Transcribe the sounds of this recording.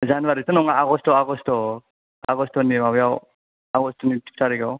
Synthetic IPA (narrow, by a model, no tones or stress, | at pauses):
zanwaɾitɔnɔŋaaɡɔstɔaɡɔstɔ | a̰ɡɔstɔnimawjaw | aɡɔstɔnitʰi̥p̚ʰtʰaɾiɡaw